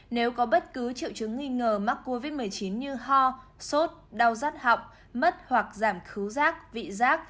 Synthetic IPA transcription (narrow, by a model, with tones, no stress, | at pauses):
ne˨˦wkɔ˨˦ɓə˦˥t̚kɨ˨˦t͡ɕḭ˧˨wt͡ɕɨ˨˦ŋːi˧ŋəː˨˩ma˦˥kkːo˧vi˦˥t̚mɨ˨˩əjt͡ɕi˨˦nɲɨ˧ɦɔ˧ | so˦˥t̚ɗa˨˩wzaː˦˥t̚ha̰˧˨wk͡pŋ͡m̚ | mə˦˥t̚hwa˨˩k̚zaː˧˩mxɨ˨˦wzaː˦˥k̚vḭ˧˨zaː˦˥k̚